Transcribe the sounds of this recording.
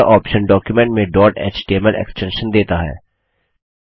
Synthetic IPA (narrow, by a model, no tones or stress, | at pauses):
aʔɔːpʃə̃nɖɔːkjumẽɳʈmẽɖɔːʈɛ̰ːt͡ʃʈieməlʔḛksʈɛ̃nʃə̃nd̪eːt̪aɦɛ̰ː